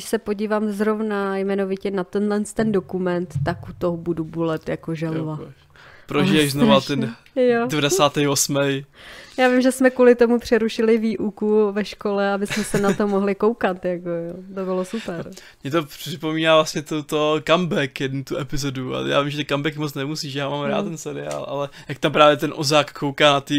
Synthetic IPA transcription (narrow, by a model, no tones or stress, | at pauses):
ɪʃsɛpo̞ɟiːvaːmzɾo̞vnajmɛnovɪcɛnat̪ɛnlɛnst̪ɛndo̞kumɛnt̪ːakʔut̪oɦobudubulɛt̪ja̰koʒɛlova | pɾoʒijɛʃznovat̪ɛn | jodɛvadɛsaːt̪ɛjosmɛjjaːvɪmʒɛsmɛkuːlɪt̪o̞mupr̥ɛɾuʃɪlɪviːʔukuvɛʃko̞lɛabɪsmɛsɛnat̪omoɦlɪko̞wkat̪jakojot̪obɪlo̞supɛɾ | mɲɛt̪oprɪpo̞miːnaːvlasɲɛt̪ot̪okambɛkjɛdnut̪uʔɛpɪzodua̰ja̰ːvimʒɛt̪ɛkambɛkmot͡snɛmusiːʃjaːmaːmɾa̰ːt̪t̪ːɛnsɛɾɪa̰ːlʔa̰lɛjak̚t̪ampɾaːvjɛt̪ɛnʔozaːkkʰːowkaːnat̪i